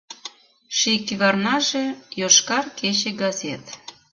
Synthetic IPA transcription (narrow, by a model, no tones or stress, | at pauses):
ʃikiβɑrnɑʒejoʃkɑrket͡ɕeɡɑzʲet̪